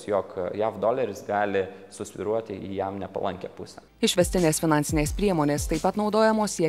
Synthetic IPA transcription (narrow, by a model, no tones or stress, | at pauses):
sjoːkjæːfd̪oːlʲɛɾʲɪsɡɑːlʲɪsʊsʲʋʲɪ̰ɾuɔt̪ʲɪʔḭːjæmnʲɛpɐ̰lˠɐŋʲkʲɛ̰pʊsʲɛ | ɪʃʲʋʲɛst̪ʲɪnʲeːsfʲɪnɑˑnʲsʲɪnʲeːspʲɾʲiɛmoːnʲeːst̪ɐɪpɐt̪nɒʊd̪oːjɛmoːsʲiɛ